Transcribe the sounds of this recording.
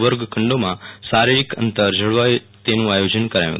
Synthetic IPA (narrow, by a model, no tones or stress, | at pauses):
ʋəɾɡkʰəɳɖomasaɾiɭikə̰nt̪əɾd͡ʑʱəɽʋaj | t̪enũːajod͡ʑənkəɾajṵ̃